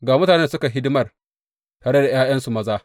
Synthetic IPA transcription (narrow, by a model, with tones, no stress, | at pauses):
ɡaː˨mʊ˦taː˨nɛ˦nsʊ˦ka˨ɦɪ˦dɪ˦mɐ˦˨r | taː˨ɽe˦da˨j̰aː˦j̰ɐ˦nsu˨mɐ˦zaː˦